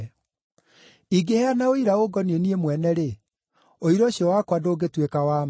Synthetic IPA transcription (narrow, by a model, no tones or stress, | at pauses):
iɡehɛanaoiɾaoɡɔnieniemwɛnɛɾe | oiɾɔɕiɔwakwadoːɡetwekawam